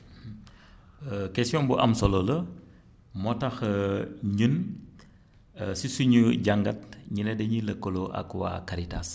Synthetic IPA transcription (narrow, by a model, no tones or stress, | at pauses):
kɛsjɔnbuʔɐmsɔlolɐ | mɔtɐx | ɲun | sisuɲuɟaŋɡɐt̚ɲinɛdɛɲiləkːoloʔɐ̰kwa̰kɐɾita̰s